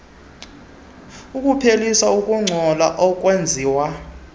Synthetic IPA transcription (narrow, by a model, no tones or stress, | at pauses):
ukʼupʰelisaukʼuŋ͡ǀʱɔla̰ʔɔkʼwend͡zʱiːwa